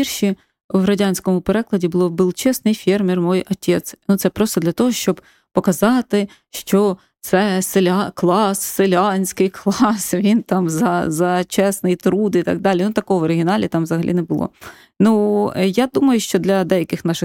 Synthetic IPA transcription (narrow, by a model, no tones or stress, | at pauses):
irʃi | ʋɾɐdʲanʲsʲkɔmʊpeɾɛklˠɐdʲibʊlˠɔbɨlˠt͡ʃɛsnɪjfʲɛrmʲirmɔjɔtʲʰɛt̪snut̪sɛpɾɔst̪ɔd̪lʲɐt̪ɔɦɔʃt͡ʃɔb | pɔkɐzɑt̪ɪ | ʃt͡ʃɔ | t̪sɛselʲklˠɑsːelʲɑnʲsʲkɪjklˠɑsʋʲint̪ɑmzɐzɐt͡ʃɛsnɪjt̪ɾud̪it̪ɐ̰ɡ̚d̪ɑlʲinut̪ɐkɔɦɔʋɔɾɪɦʲɪnɑlʲit̪ɑmʋzɐɦɐlʲḭnɛbʊlˠɔ̰ | nujad̪umɐjʊʃt͡ʃɔd̪lʲɐd̪ɛjɐkɪxnɑʃɪx